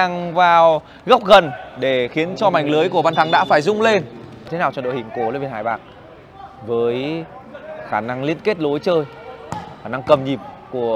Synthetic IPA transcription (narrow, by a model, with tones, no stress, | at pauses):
aː˧˩ŋvaː˨˩w | ɣə˦˥k͡p̚ɣə˨˩nɗe˧˩xi˨˦ənt͡ɕɔ˧ma˨˩jŋ̟ləː˨˦jku˧˩əɓaː˧nt̪ʰa˨˦ŋɗa̰ː˧˥faː˧˩jzʊ˧ŋ͡mle˧nɲʰ˧e˨˦naː˨˩wt͡ɕɔ̰˧˩nɗo̰˧˨hḭ˧˨ŋko˧˩loː˨˧jɓe˧nhaː˧˩jɓa̰ː˨˩k̚ | vəː˨˦j | xaː˧˩na˧ŋlḭ˧˥ənke˦˥t̚lo˨˦jt͡ɕəː˧j | xaː˧˩na˧ŋkə˨˩mɲi˨˩p̚ku˧˩ə